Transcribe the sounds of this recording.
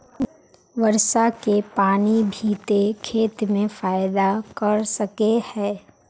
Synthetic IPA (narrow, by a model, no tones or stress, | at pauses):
ʋəɾʃakepaːnibʱiːt̪ekʰeːt̪mẽfaːɪd̪akɐɾsɐkehɛː